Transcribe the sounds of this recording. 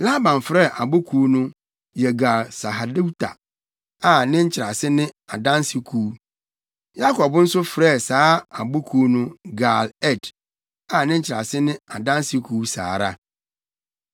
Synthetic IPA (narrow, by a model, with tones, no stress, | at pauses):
la˦bã˨ɱ˨fɾɛ˦˨ʔa˨bʊ˦kʰuː˦nʊ̃˦ | jɛ˨ɡa˨lsa˨ɦa˨di˦wtʰa̰˨ | a˨nɪ̃˦ɲ̩˦t͡ɕʰɪ˨ɾa˨sɪ˦nɪ̃˦a˨dã˦n˦si˦kʰuː˨˦ | ja˦kʰɔ˨bn̩˦sʊ˦fɾɛ˦˨saː˨˦a˨bʊ˦kʰuː˦nʊ̃˦ɡa˨lɛ˦˨d | a˨nɪ̃˦ɲ̩˦t͡ɕʰɪ˨ɾa˨sɪ˦nɪ̃˦a˨dã˦nsi˦kʰuː˨˦sa̰ː˨ɾa̰˦